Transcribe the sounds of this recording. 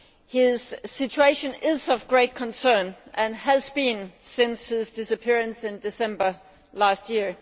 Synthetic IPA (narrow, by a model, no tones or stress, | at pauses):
hɪz̥sɪt͡ʃʰueɪʃɨ̃nɪzʌvɡɹeɪt̚kʰə̃nsɜ̃˞nʔɨ̃næzbĩnsɪ̃nshɪzdɪsəpʰɪɹɨ̃nsɪ̃ndɪsɛ̃mbə˞ | læst̚ji